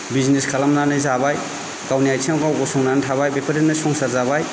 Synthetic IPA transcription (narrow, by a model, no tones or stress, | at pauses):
bizneskʰalamnanɯjzabaj | kawnijajtʰiawɡawɡɔsɔŋnantʰaβajbepʰaɾennɯsɔŋsaɾzabaj